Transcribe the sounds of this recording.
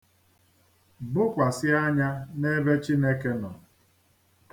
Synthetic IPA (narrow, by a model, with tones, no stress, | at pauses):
bʊ˦kʷa˨sɪ˦a˦ɲa˦ne˦be˦t͡ʃi˦ne˦ke˦nɔ˨